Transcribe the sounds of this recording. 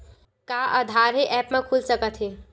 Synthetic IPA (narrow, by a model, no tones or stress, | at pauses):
kaːʔad̪ʱaːɾɦeʔɛːpmẽkʰuːlsəkət̪ɦeː